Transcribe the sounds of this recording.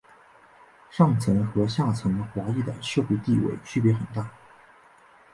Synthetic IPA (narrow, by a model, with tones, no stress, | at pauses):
ʂɑ˥˩ŋt͡sʰɤ˧˥ŋxɤ˧˥ɕja˥˩t͡sʰɤ˧˥ŋ˧xwa˧˥i˥˩d̪ə̰˩ʂjɤ˥˧ʊpu˧t̪i˥˧wḛ˥˩ɪt͡ɕʰy˥˩pjɛ˧˥xə˨˩nt̪a˥˩